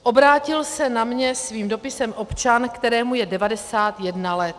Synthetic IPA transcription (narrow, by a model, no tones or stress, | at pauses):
ʔo̞bɾaːcɪlsɛnamɲɛsviːmdo̞pɪsɛmʔo̞pt͡ʃankt̪ɛɾɛːmujɛdɛvadɛsaːt̪jɛdnalɛt̪